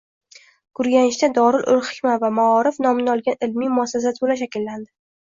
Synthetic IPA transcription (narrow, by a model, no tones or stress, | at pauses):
ɡ̥ʊɾɡʲanɪʃt̪ad̪ɒɾɪlʔʊlχɪ̥kʲmavamaɒɾɪfnɒmɪnɪɒlˠɡʲanɪlmijmʊasas̬at̪̚bolaʃ̬akʲɪlːand̪ɪ